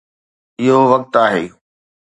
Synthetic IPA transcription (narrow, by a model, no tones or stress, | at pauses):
ɪɦoʋɐk̚t̪aːɦeː